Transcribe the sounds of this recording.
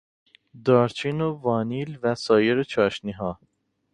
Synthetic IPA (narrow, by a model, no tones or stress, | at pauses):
d̪ɒːɾt͡ʃʰinovɒːniːlvæsɒːjeɾet͡ʃʰɒːʃniɦɒː